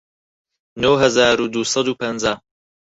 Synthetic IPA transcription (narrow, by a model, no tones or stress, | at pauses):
nowɦɐzaːɾud̪uːsɐd̪uːpʰɐnzaː